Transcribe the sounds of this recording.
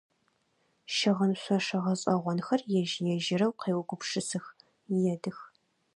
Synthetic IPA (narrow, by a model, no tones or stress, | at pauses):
ʃɐʁɐnɕʷɐʂɐʁɐɕʼɐʁʷɔnxɐrjɛʒjɛʒɪɾɐwqeːwɡʷʊpʂɨsɨx | jɛdɨx